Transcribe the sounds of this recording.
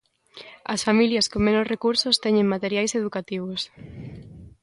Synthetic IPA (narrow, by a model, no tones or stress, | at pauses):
ɐsfamiljɐskomenosrekuɾsost̪ɛɲẽŋmat̪eɾjajseð̞ukat̪iβ̞os